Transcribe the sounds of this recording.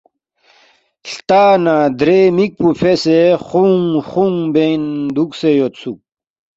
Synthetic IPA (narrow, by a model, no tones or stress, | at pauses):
ɬt̪aːnad̪ɾemik̚pufʰeseχuŋχuŋbend̪uksejot̪sʰuk̚